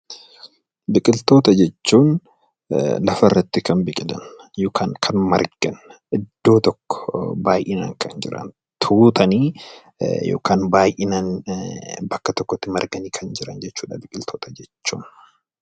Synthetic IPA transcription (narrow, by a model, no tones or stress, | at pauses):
bɪkʼɪlt̪o̞ːt̪ɐd͡ʒɛt͡ʃːuːn | lɐfɐrːɐt̪ːɪkɐnbɪkʼɪlɐ̰n | joːkʰaːŋkʰɐnmɐ̰ɾɡ̥ɐnʔɪd̪̥ːo̞ːt̪ɔkːɔ̥baːjʔɪna̰ːŋkʰɐnd͡ʒɪ̰ɾɐ̰n | t̪ʰuːt̪ɐniː | jo̰ːkaːnbaːjʔɪnan | bɐkːɐt̪ɔkːɔt̪ːɪmɐɾɡɐniːkʰɐnd͡ʒɪɾɐnd͡ʒɛt͡ʃːuːᶑɐbɪkʼɪlt̪ʰoːt̪ɐd͡ʒɛt͡ʃːuːn